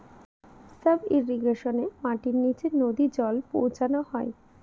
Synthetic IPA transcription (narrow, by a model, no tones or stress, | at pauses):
səbiɾːiɡɾeʃonemaʈiɾnit͡ɕenod̪id͡ʑɔlpo̰wt͡ɕanoɦɔe